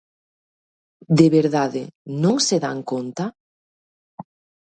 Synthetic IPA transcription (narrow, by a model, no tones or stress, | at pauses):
d̪eβeɾðaðenõŋseða̰ŋkont̪a